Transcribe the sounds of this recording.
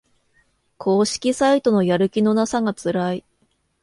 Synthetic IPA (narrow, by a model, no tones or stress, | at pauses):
kʰo̞ːɕi̥kʲisait̪o̞no̞jaɾɯ̟kʲino̞nasaɡat͡sɨɾai